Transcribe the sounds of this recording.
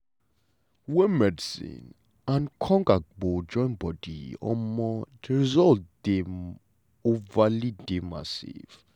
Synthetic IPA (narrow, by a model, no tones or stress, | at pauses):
wɛmɛdsḭn | ãnkʰɔŋɡak̚bɔd͡ʒɔ̃jnbɔdiɔ̰mɔɹizɔld̥i | uvalidima̰sḭf